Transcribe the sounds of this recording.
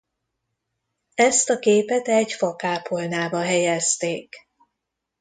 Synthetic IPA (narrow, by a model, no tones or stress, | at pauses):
ɛst̪ɒkeːpɛt̪ɛɟfɒkaːpʰolnaːbɒɦɛjɛst̪eːk